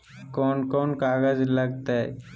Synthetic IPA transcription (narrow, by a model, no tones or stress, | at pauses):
koːnkoːnkaːɡəd͡ʒləɡ̚t̪aɛ̰